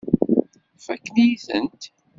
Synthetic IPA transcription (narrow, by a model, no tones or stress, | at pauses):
fækːniθə̰nt̪